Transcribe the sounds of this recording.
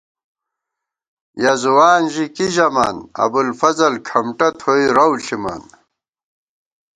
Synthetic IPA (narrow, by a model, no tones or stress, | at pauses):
jɐzuwaːnʑikiʑɐma̰nɐ̰bulfɐzɐlkʰɐmʈɐt̪ʰoiɾɐwɬima̰n